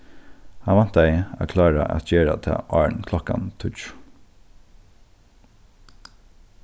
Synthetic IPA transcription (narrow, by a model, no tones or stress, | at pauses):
hɑnʋɑnt̪d̪æɪæ̰kʰlɑːɹəʔɑ̰t̪jeːɾə̰t̪ʰɑ̰ːʔɑːɳkʰlɔkɑ̰nt̪ʰʉt͡ʃ